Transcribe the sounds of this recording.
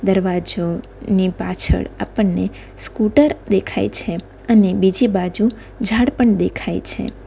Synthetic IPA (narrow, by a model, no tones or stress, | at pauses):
d̪əɾʋad͡ʒo | nipat͡ʃʰə̰ɽapəɳne | skuʈəɾd̪ekʰa̰jt͡ʃʰe | ənebid͡ʒibad͡ʒu | d͡ʒʱaɽpəɳd̪ekʰajt͡ʃʰḛ